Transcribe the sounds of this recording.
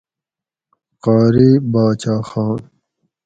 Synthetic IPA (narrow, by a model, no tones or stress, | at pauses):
qaːɾiːbaːt͡ɕaːxaːn